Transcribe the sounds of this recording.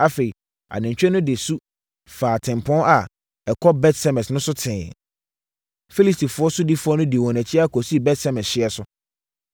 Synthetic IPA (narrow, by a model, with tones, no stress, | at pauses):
a˨fe˨i˨ | a̰˨nɪ̃˨ɲ˨t͡ɕᶣɾɛ˦nʊ̃˦dɪ˨su˦ | faː˨tʰɪ̃˨m˨pʰɔ̃˦a˨ | ɛ˨kʰɔ˦bɛ˦tsɛ˦mɛ̃˨snʊ̃˦sʊ˦tʰɪ̃˨ | fi˦li˦sti˨fʊ˨˦ɔ˦sʊ˦di˦fʊ˨˦ɔ˦nʊ̃˦di˨wɔ̃˨næ̃˨t͡ɕʰi˦a˦˨kʰɔ˨si˦˨bɛ˦tsɛ˦mɛ̃˨sɕɪ˦ɛ˨sʊ˦